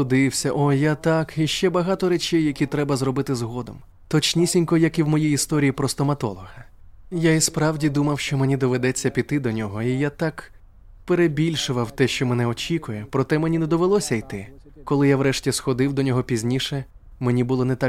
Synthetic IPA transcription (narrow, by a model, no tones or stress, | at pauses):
ʊd̪ɪwsʲɐʔɔjat̪ɑkiʃt͡ʃɛbɐɦɑt̪ɔɾet͡ʃɛjːɐkʲit̪ɾɛbɐzrɔbɪt̪ɪzɦɔd̪ɔ̰m | t̪ɔt͡ʃnʲisʲinʲkɔjɐkiwmɔjijist̪ɔɾʲijipɾɔst̪ɔmɐt̪ɔ̰lˠɔɦɐ | jaispɾɑwdʲid̪umɐwʃt͡ʃɔmenʲid̪ɔʋed̪ɛt͡sʲːɐpʲit̪ɪd̪ɔnʲɔɦɔijat̪ɑk | peɾebʲilʲʃʊʋɐwt̪ɛʃt͡ʃɔmenɛɔt͡ʃʲikʊjɛpɾɔt̪ɛmenʲinɛd̪ɔʋelˠɔsʲɐjt̪ɪ | kɔlˠɪjawɾɛʃtʲisxɔd̪ɪwd̪ɔnʲɔɦɔpʲizʲnʲiʃɛ | menʲibʊlˠɔnɛt̪ɑ